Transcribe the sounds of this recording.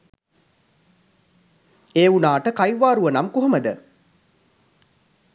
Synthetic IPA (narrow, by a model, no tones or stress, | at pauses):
eːunaːʈəkajʋaːɾuʋənamkuɦoməd̪ə